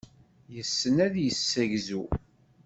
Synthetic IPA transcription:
jəsːənæðjəsːæʝzu

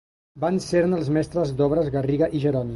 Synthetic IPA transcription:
banseɾnəlˠzmɛst̪ɾəzd̪ɔβɾəzɣəriɣəʔiʒəɾɔn

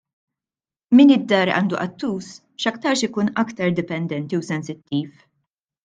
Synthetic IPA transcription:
mɪnɪd̪ːɐːɾʔɐ̰ːnd̪uʔɐt̪ːuːs | ʃɐkt̪ɐɾʃɪkuːnɐkt̪ɐɾd̪ɪpɛnd̪ɛnt̪iusɛnsɪt̪ːiːf

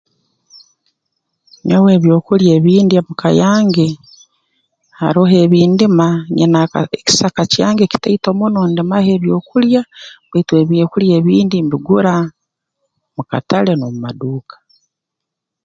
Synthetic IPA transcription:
ɲowe̞ːβjo̞ːkuljeːβiːndiamukajaːŋɡe | ha̰ɾoɦe̞ːβiːndimaɲinaeki̥sakacjaːŋɡe̞ci̥teito̞munondimahe̞ːβjo̞ːkuljaβwetweβjeːkuljeːβiːndimbiɡuɾa | muka̰tale̞nomumaduːkḁ

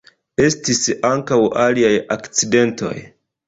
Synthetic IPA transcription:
e̞stisaŋkawaliajakt͡side̞nto̞̰j

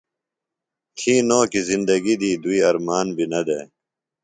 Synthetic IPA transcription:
t̪ʰĩːnoːkizind̪ɐɡid̪iːd̪uiːɐɾmaːnbʱinɐd̪ḛː

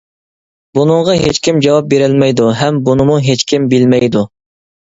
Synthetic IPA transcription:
bunɨŋʁɑɦet͡ʃkʲimd͡ʒɑwɑp̚beɾɪlmɛjd̪uɦɛmbunɨmuɦet͡ʃkʲʰimbɪlmɛjd̪u

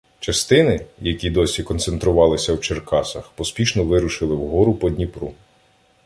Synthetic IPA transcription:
t͡ʃɐst̪ɪnɪjɐkʲid̪ɔsʲikɔnt̪sent̪ɾʊʋɑlˠɪsʲɐwt͡ʃerkɑsɐxpɔspʲiʃnɔʋɪɾʊʃɪlˠɪwɦɔɾʊpɔd̪ʲnʲipɾu

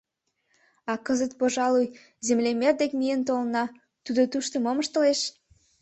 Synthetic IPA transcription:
ɑkəzət̪̚poʒɑluj | zemlemerd̪ekmijent̪olənɑ | t̪ud̪ot̪uʃt̪ə̆moməʃt̪ə̆leʃ

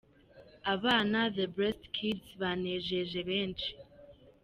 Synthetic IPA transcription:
aβaːnaðebɾestkʰidsβaneʒeʒeβeːnt͡ʃi̥

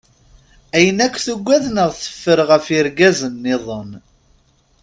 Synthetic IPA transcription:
æjənækʷːθuɡʷːæðnəʁθə̥fːəɾʁəfiɾɡæzənːɪðˤən

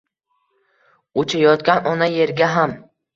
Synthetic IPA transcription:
ot͡ʃʰajɒt̪̚kʲanɒnaje̞ɾɡʲaɦam

